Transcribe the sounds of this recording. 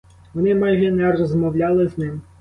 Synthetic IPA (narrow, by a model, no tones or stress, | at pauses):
ʋɔnɪmɑjʒɛnɛrɔzmɔwlʲɑlˠɪznɪm